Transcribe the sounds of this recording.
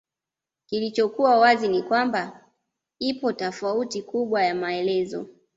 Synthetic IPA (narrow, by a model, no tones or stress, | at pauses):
kilit͡ʃɔkuwawazinikwamba | ipɔtafautikuɓwajamaɛlɛzɔ̰